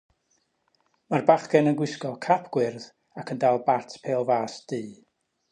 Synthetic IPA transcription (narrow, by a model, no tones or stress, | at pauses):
marbaχɡɛnənɡwɪskɔlˠkʰapʰɡ̥wɪrð | akʰəndalˠbatʰpʰeːlˠvaːsd̥ɨː